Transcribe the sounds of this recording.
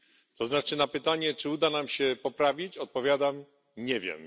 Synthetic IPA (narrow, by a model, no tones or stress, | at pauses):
t̪ɔznat͡ʂɘnapɘt̪aɲɛt͡ʂɘud̪anamɕɛpɔpɾavʲit͡ɕɔt̪̚pɔvʲjad̪am | ɲɛvʲjɛ̰m